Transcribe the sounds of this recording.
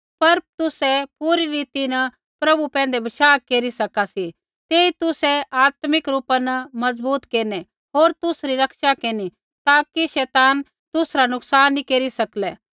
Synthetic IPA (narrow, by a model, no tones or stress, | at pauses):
pɐɾt̪ʊsɛpuːɾiɾiːt̪inɐ | pɾɐbupɛ̃ːn̆d̪ebɐʃaːkeːɾisɐkasi | t̪eːit̪ʊsɛaːt̪mɪkɾuːpanɐmɐzbuːt̪keːnɛ | ɦoːɾt̪ʊsɾiɾɐkʃakeːni | t̪aːkiʃɛːt̪aːn | t̪ʊsɾanʊksaːnːikeːɾisɐklɛː